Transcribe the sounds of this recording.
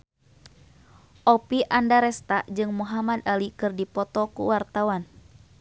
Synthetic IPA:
ʔɔpiʔandaɾɛst̪ad͡ʒɨŋmuɦamad̪alikɨrdipɔt̪ɔkṵwart̪awan

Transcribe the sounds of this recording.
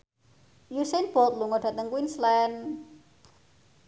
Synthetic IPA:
jusenb̥ɔt̪̚luŋɔɖ̥a̤t̪əŋkwinslɛn

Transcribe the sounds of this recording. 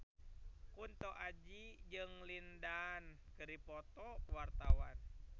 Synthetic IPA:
kunt̪ɔʔad͡ʒid͡ʒɨŋlindankɨɾipɔt̪ɔwart̪awan

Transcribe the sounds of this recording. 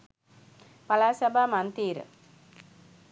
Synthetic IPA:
pɐlaːsɐbʱamɐnt̪iːɾ̰

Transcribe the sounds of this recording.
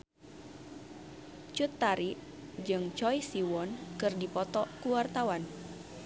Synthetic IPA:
t͡ʃut̪ːaɾiʔ | d͡ʒɨŋt͡ʃɔjsiwɔnkɨrdipɔt̪ɔkuwart̪awan

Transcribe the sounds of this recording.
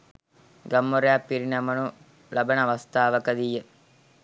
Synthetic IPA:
ɡɐmːoɾaːpːiɾinɐmɐnu | lɐbɐnɐʋɐst̪aːʋɐkɐd̪ijːə

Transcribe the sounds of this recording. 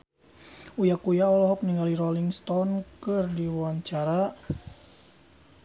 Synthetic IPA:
ujakujaɔlɔɦɔk̚niŋɡaliɾɔliŋst̪ɔnkɨrdiwwaɲt͡ʃaɾa

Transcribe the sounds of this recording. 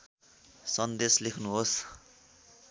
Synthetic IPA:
sʌnd̪eslekʰnuɦos

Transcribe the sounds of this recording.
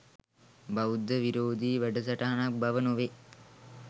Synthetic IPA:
baʋud̪ːəʋiɾoːd̪iːʋæɖəs̬ɐʈaɦanak̚bɐʋənoʋe

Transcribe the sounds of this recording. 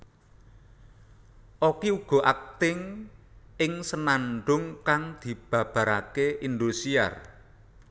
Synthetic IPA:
ʔokiuɡ̥ɔ̤ʔak̚t̪ɪŋ | ɪŋsənaɳɖʊŋkaŋd̪̥i̤b̥ä̤b̥ä̤ɾakeʔind̪usia̰r

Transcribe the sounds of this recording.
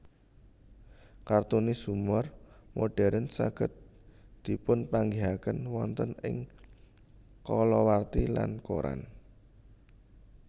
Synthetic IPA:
kart̪unisumɔrmoɖ̥ɛɾənsa̰ɡ̥ə̤t̪̚d̪̥i̤pʊnpaŋɡiɦakənwɔnt̪ənɪ̰ŋ | kɔlɔwart̪ila̰nko̰ɾa̰n

